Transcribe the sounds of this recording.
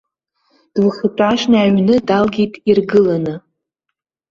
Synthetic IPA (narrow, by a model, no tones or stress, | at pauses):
d̥wχɨtʷʼaʃnaːɥnɨdalɡʲitʼirɡɨlanɨ